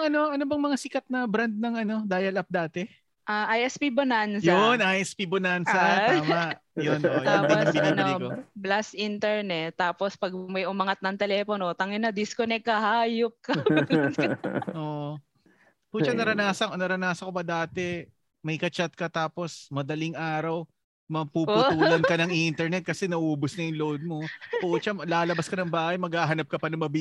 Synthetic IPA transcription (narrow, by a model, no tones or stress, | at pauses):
ŋɐno̞ʔɐnobɐŋmɐŋasɪkɐt̪̚nɐbɾɐnd̪̚nɐŋɐno̞d̪aːjɐlʔɐp̚d̪aːt̪ɛ | ʔaʔajʔɛspibonansjonʔajʔɛspibonansɐt̪ːmɐʔ | jonoʔj̪oadibɪnaːnolikoblasʔint̪ɛɹnɛt̪ːaːpospɐɡ̚mɐjʊmɐŋɐt̪̚nɐŋt̪ɛlɛːponot̪ɐŋɛnɐd̪ɪskonɛkːɐhaːjop̚kɐ | ʔoːʔo | pʊt͡ʃɐnɐɾɐnaːsɐknɐɾɐnaːsɐkopɐd̪aːt̪ɛ | mɐjkɐt͡ʃat̪̚kɐt̪aːpo̞smɐd̪ɐlɪŋʔaːɾɐw | mɐpuʊuːlɐnkɐnɐŋʔint̪ɛɹnɛt̪̚kɐsɛnɐʔuːbosnɐjʊŋlowd̪̚mo̞pot͡ʃɐlaːlɐbɐskɐnɐŋbaːhɐjmɐɡhaːɦɐnɐp̚kɐpɐnɐŋmɐb